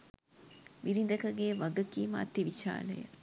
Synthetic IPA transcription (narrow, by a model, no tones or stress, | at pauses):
ʋiɾind̪əkəɡeːʋaɡəkiːma̰ːt̪iʋiʃa̰ːlə̰jə̰